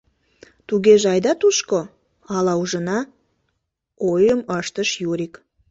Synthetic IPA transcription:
t̪uɣeʒɑjd̪ɑt̪uʃko | ɑlɑuʒə̆nɑ | ojəməʃt̪əʃjuɾʲik

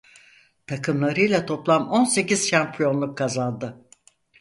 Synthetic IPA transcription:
t̪ʰakʰɯmlˠaɾɯjlˠat̪ʰo̞plˠamo̞nse̞ciz̥ʃampʰijo̞nlˠukʰːazanˠd̪ɯ

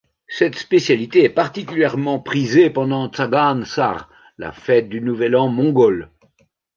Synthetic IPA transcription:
sɛt̪spesjalit̪eɛpaʁt̪ik̬ʲyljɛʁmɑ̃pχizepɑ̃d̪ɑ̃t̪t͡saɡansa̰ʁ | la̰fɛt̪̚d̪ynuvɛlɑ̃mɔ̃ɡɔl

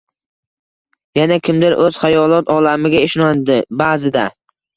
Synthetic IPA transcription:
janakʲɪmd̪ɪɾʔɵz̥χajɒlˠɒt̪ʰɒlamɪɡʲaeʃnɒnd̪ɪbaːzɪd̪a

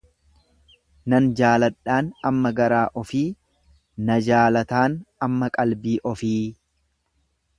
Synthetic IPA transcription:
nɐnd͡ʒaːlɐᶑːaːnɐmːɐɡɐɾaːʔɔfiː | nɐd͡ʒaːlɐt̪aːnɐmːɐkʼɐlbiːʔɔfiː

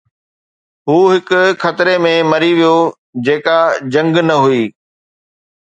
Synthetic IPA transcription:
ɦuːɦɪkʊ̆xʰɐt̪ɪɾemẽmɐɾiʋijo | d͡ʑeːkad͡ʑɐ̃ŋɡnɐɦuiː

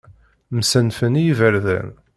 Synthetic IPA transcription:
msənfənijivəɾðæ̰n

